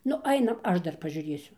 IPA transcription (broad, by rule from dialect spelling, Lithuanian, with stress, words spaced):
ˈnʊ ˈɐɪnɐm ˈɐʃ ˈdɐr pɐʒʲuːˈrʲeːsʲʊ